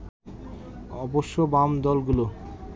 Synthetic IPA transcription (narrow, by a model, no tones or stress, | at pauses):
ɔboʃːobamd̪ɔlɡulo